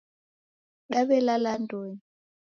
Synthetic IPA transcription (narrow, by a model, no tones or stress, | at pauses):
kaɓɛlalandʱʼoːni